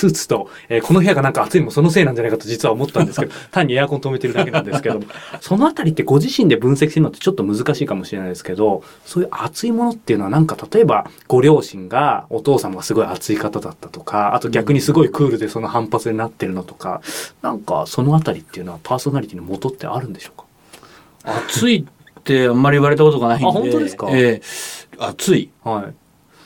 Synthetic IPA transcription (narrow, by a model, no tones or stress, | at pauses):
sɨːt͡sɨ̥t̪o̞ | eːkʰo̞no̞ɦeaɡanãŋkaːt͡sɨimo̞so̞no̞s̬e̞ːnãɲd͡ʑanaikat̪od͡ʑit͡sɨβaomo̞t̪ːãnd̪esɨkeot̪ãɲ̟ːiejakõnt̪ome̞t̪e̞ɾɯ̟d̪ake̞nãnd̪esɨ̥ke̞d̪o̞mo̞so̞no̞at̪aɾʲit̪ːe̞ɡo̞ʑiɕĩnd̪e̞bɯ̟̃ɰ̃sekʲi̥seɾnt̪ːet͡ɕo̞t̪ːo̞mɯ̟zɨkaɕiːkamo̞ɕiɾe̞naid̪e̞sɨ̥ked̪o̞ | soːjɯ̟ʔat͡sɨimo̞no̞t̪ːeiɯ̟no̞anãŋkat̪at̪o̞e̞baɡ̥o̞ɾʲo̞ːɕĩŋɡao̞t̪o̞ːsamaɡasɨɡo̞iat͡sɨikat̪ad̪at̪ːḁt̪o̞̥kʰaa̰t̪o̞ɡʲakɯ̟ɲ̟isɨɡo̞ikɯ̟ːɾɯ̟d̪e̞so̞no̞hãmpat͡sɨɲ̟inat̪ːe̞ɾɯ̟no̞t̪o̞̥ka̰nãŋka̰so̞no̞at̪aɾʲit̪ːe̞iɯ̟no̞βapʰaːso̞naɾʲit̪inomo̞t̪o̞t̪ːe̞̰ʔa̰ɾɯ̟̃nd̪e̞ɕo̞̥ːkḁ | at͡sɨi | t̪ːe̞amːaɾʲiiβaɾe̞t̪̬ako̞t̪oanaĩhõnt̪oeɨ̥kae | at͡sɨihai